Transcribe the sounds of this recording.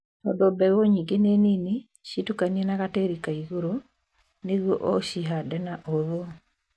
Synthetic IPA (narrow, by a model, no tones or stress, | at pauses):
ɔ̰dobɛɣoɲiŋɡenenini | ʃitukanienaɣateɾikaiɣoɾo | neɣwɔ̰ʔɔʃiɦadɛnaʔoðo